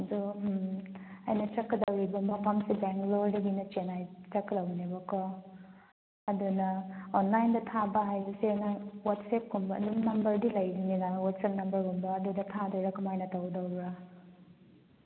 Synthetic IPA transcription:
du | ɐjnɐtɐkːɐdɐwɾibɐmɐpʰamsibeŋkloɾdiɡinɐt͡ʃenajtɐkːɐdawnebɔkʰɔ | ɐdunɐonlajndɐtʰabɐɦajbɐsenawatsep̚kumbɐ̰ːdunnɐmbɐɾdilɐjdinenawat̚sep̚nɐmbɐɾkumbɐːdudɐtʰadɔɾɐkɐmajnɐtawdɐwbɾa

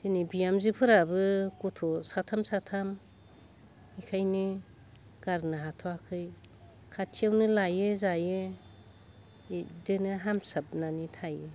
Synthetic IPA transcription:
dinibijamzipʰɯɾabɯkutʰɔsatʰamsatʰam | ikʰajnɯ | ɡ̥aɾnɯɦatʰɔakʰɯj | kʰatʰiawnɯlajɯzajɯ | dɯnɯɦamsap̚nanitʰajɯ

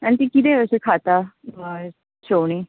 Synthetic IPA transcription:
anĩt̪̬ikit̪eəsekʰat̪a | ɕoʋɽ̃iː

